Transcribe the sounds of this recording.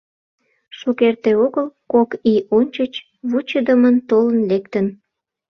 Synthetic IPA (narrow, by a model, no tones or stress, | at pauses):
ʃukert̪eoɣəlkokionʲt͡ɕət͡ɕ | βut͡ɕəd̪əmənt̪olənlekt̪ən